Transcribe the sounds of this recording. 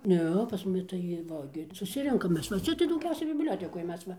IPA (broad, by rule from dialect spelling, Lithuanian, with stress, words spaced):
ˈnʲɛ pɐs mʊˈmʲɪ tɐɪ ˈʋɐ ɡʲɪ sʊˈsʲɪrʲɛŋkɐm ˈmʲɛs ʋɐ ˈt͡sʲɛ tɐɪ dɐʊˈɡʲɛʊsʲɛɪ bʲɪbʲˈlʲoːtʲɛkoːj ˈmʲɛs ʋɐ